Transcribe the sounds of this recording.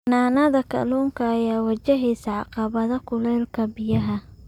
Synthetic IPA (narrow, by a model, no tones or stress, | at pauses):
naːnɐðɐkʰɐ̰luːŋkʰɐːjaːwɐt͡ʃɐɦiːsɐʕɑqɑβɐðɐkʰʊlɛːlkʰɐbɪjɐɦɐ